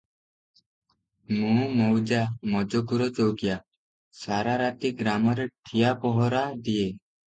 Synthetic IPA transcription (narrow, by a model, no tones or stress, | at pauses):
mũmɔwd͡ʒamɔd͡ʒɔɡuɾɔd͡ʒowɡja | saɾaɾat̪iɡɾamɔɾeʈʰijapɔɦɔɾad̪ie